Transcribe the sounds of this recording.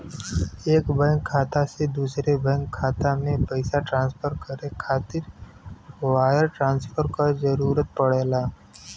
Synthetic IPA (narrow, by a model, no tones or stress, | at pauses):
eːkbɛ̃ŋkʰːaːt̪ased̪uːsɾebɛ̃ŋkʰːaːt̪amẽpəɪsaʈɾãːnspʰəɾkəɾekʰaːt̪ɪɾ | waːjəɾʈɾãːnspʰəɾkazəɾuːɾət̪̚pəɽeːlaː